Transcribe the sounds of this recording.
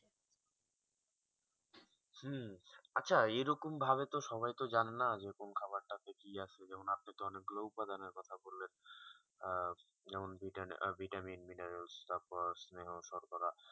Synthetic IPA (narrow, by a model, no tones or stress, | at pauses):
h̩atːɕʰaeɾokombʱaβet̪oʃɔβajt̪od͡ʑanenad͡ʑekonkʰaβaɾʈat̪ekiat͡ɕʰed͡ʑɛmonap̚nakeɔnekloupad̪aneɾkɔt̪ʰabolːen | d͡ʑɛmonbʱiʈbʱiʈaminmineɾelst̪aɾpɔɾsneɦoʃɔɾkɔɾa